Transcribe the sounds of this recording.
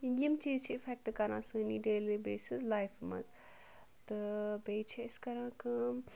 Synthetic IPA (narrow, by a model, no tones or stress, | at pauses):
indijɐmt͡ʃiːzt͡ʃʰiːpʰek̚ʈkɐɾãːsɨniɖeːlibeːsizlajpʰmɐ̰z | t̪ɨbejt͡ʃʰeɐskɐɾãːkɨ